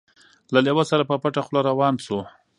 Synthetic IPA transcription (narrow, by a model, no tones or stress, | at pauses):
lalewasaɾapəpaʈaxloɾawɑːnso